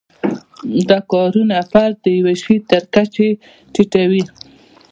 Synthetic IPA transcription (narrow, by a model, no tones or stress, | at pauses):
d̪ɑkɑɾunafaɾd̪əjaweʃwit̪əɾkat͡ʃe | ʈiʈawi